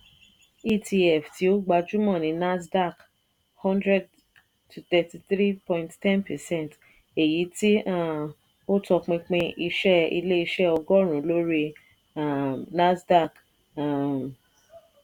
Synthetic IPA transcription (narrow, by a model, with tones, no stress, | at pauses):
i˦ti˧ɛ˦˨fti˨˦o˦ɡ͡ba˧d͡ʒu˦mɔ̃˦˨nĩ˨˦na˦sda˦˨k | hɔ̃˦ndɾɛ˦d̚ | tʰu˨t̪ɛ˨ti˧tɾi˦pɔ̃˧j̃nttɛ˦npɛ˨sɛ̃˦n˨t | e˨ji˨˦ti˦a˦˨ | o˦tɔ˧k͡pĩ˧k͡pĩ˧ʔi˧ʃɛ˦ḭ˧le˦i˧ʃɛ˦ɔ˧ɡɔ˦ɾ̃ũ˨lo˦ɾi˦ | a˦˨na˦sda˦˨k | a˦˨